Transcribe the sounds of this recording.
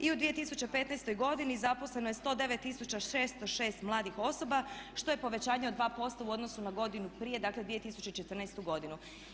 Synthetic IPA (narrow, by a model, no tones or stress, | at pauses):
iud̪ʋije̞t̪isut͡ɕe̞pe̞ːt̪nɛst̪o̞jɡo̞d̪inizapo̞slˠe̞nojest̪o̞ːd̪e̞ʋe̞t̪ːisut͡ɕaeːst̪oʃe̞ːst̪mlˠaːd̪ixo̞so̞baʃt̪o̞je̞po̞ʋe̞t͡ɕaːɲe̞od̪ʋaːpo̞st̪auo̞d̪no̞sunaɡo̞d̪inupɾije̞d̪aːkled̪ʋije̞t̪isut͡ɕeit͡ʃe̞t̪ər̩nɛst̪uɡo̞d̪inu